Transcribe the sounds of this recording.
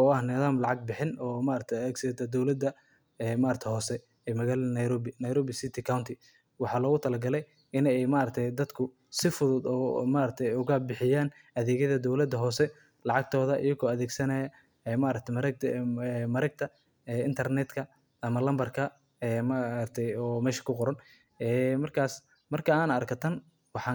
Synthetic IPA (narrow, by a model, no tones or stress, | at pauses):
ɔɑhnɪðaːmlɑʕɑɡ̚bɪħɪnɔːmaɾɐt̪ʰɛjɐðɛːɡsɛd̪ɐd̪ɔwlɐd̪ɐ | ɛmaːɾɐkt̪ʰɛhɔːsɛ | ɛmɐɣaːlɐnɐjɾɔbɪnɐjɾɔːbɪsɪt̪ʰɪkʰawnt̪ʰɪ | wɑħɑːlɔːɣʊt̪ʰɐlɐɡɐlɛj | ɪnɛɛjmaːɾɐt̪ʰɛjd̪ɐd̪kʰʊ | sɪfʊðʊd̪ɔ̰maːɾɐt̪ʰɛjʊɣabɪħɪjaːn | ɐðɛːɣɐðɐd̪ɔwlɐd̪ːɐɦɔːsɛ | lɑʕɑɡ̚t̪ʰɔːðɐʔɪjɐɣɔːɐðɛːɡsɐnɐjɐ | ɛmaɾɐk̚t̪ʰɛmɐɾɛmɐɾɐɡ̚t̪ʰɐ | ɛɪnt̪ʰɐrnɛt̪kʰɐ | ʔɐmɐlɐmbɐrkʰɐ | ɛmaɐt̪ʰɛjɔːmɛːʃɐ̥kʰʊqʊɾɐn | ɛːmɐrkʰaːs | mɐrkʰɐaːnɐrkʰɐt̪ʰɐn | wɑħɑ